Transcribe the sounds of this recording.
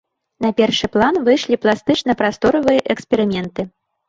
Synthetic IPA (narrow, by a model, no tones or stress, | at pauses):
nɐpʲɛrʂɨplˠanvɨjʂlʲiplˠast̪ɨt͡ʂnɐpɾast̪ɔɾɐvɨjɐʔɛkspʲɛɾɨmʲɛnt̪ɨ